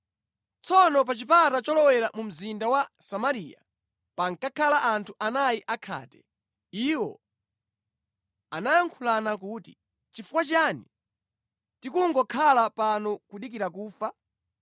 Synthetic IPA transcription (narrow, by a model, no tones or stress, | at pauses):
t͡sɔnɔp̬at͡ʃip̬atat͡ʃɔlɔwɛɾamum̩zindawasamaɾiːja̰ | paŋkakʰalaʔantʰuʔanajiʔakʰa̰ːtɛ | iwɔ̰ | anajaŋkʰulanak̬uːti | t͡ʃifukwat͡ʃani | tikuŋɡɔkʰalapanɔkuɗik̬iɾak̬uːfa